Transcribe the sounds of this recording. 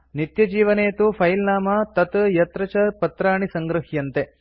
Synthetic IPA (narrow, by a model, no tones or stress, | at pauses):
nit̪jɐd͡ʒiːʋɐneːt̪upʰɐjlnaːmat̪ɐt̪jɐt̪ɾɐt͡ʃɐɾpɐt̪ɾaːɳisɐŋɡɾuɦjɐnt̪e